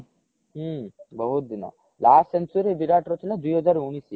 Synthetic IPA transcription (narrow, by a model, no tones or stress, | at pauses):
bɐɦut̪̚d̪ina̰ | laːsensuɾibiɾaːʈɾot̪ilɐd̪ujod͡ʒaɾuːnisi